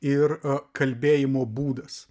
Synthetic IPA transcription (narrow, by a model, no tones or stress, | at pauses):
ɪɾkɐlʲbʲeːjɪmoːbuːd̪ɐs